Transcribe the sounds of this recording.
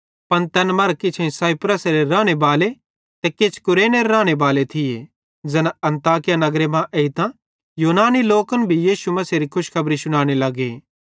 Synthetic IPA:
pɐnt̪ɛːnmɐɾkɪt͡ʃʰẽĩsaːipɾəsɾeɾãːɽ̃ebaːle | t̪ɛkeːt͡ʃʰkʊɾeːneɾeɾãːɽ̃ebaːlet̪ʰɪje | d͡ʒɐnɐ̃nt̪aːkɪjanɐɡɾemãʔeit̪ã | juːnaːniloːkənbʱijiːʃumɐseɾikʰʊʃkʰɐbɾisʊɽ̃aːɽ̃elɐɡeː

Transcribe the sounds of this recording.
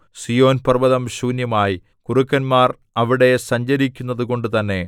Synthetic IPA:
sijo̞ːnpɐrbɐðɐmɕuːnjɐmaːji | kurukːɐnmaːr | ɐʋiɽe̞sɐɲd͡ʑɐɾikʲːunːɐðuko̞ɳɖɨt̪ɐnːe̞

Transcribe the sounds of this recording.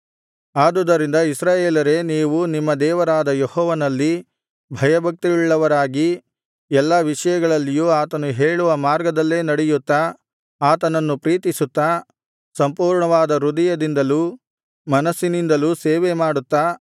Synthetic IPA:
aːd̪ud̪ɐɾind̪ɐisɾaːjeːlɐɾe̞niːʋunimːɐd̪ɛːʋɐɾaːd̪ɐjehɔːʋɐnɐlːi | bʱɐjɐbʱɐk̚t̪iiɭːɐʋɐɾaːɡi | ɛlːɐʋiʂɐjɐɡɐɭɐlːijuːaːt̪ɐnuɦe̞ːɭuʋɐmaːɾɡɐd̪ɐlːe̞ːnɐɽɛjut̪ːa | aːt̪ɐnɐnːupɾiːt̪isut̪ːa | sɐmpuːɾɳɐʋaːd̪ɐɾud̪ɐjɐd̪ind̪ɐluː | mɐnɐsːinind̪ɐluːseːʋemaːɽut̪ːa

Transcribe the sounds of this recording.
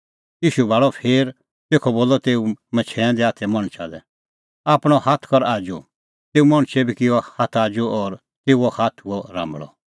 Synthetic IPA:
jiːʃubʱaːɭɔpʰeːɾ | t̪eːkʰɔboːlɔt̪eːumɛt͡ʃʰɛɛ̃d̪ɛaːt̪ʰɛmɐɽ̃t͡ʃʰad̪ɛ | aːpɽ̃ɔhat̪ʰkɔɾaːd͡ʒṵ | t̪eːumɐɽ̃t͡ʃʰɛbʱikɪɔhat̪ʰaːd͡ʒuʔɔːɾ | t̪eːuɔhaːt̪ʰɦuɔɾã̰ːmbɭɔ̰

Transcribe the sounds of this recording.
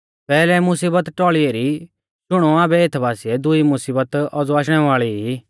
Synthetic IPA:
pɛːlɛmʊsiːbət̪ʈɔːɭieɾi | t͡ʃʊɽ̃ɔaːbɛeːt̪ʰbaːsiɛd̪ʊimʊsiːbət̪ɔd͡zuaːʃ̬ɽ̃ɛʋaːɭii

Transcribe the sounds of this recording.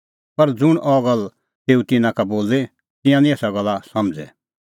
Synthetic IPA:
pɐɾd͡zʊɽ̃ʔɔːɡəl | t̪eːut̪ɪnãkaboːle | t̪ɪ̃jãnĩesaɡɐlasɐ̃md͡zɛ̰

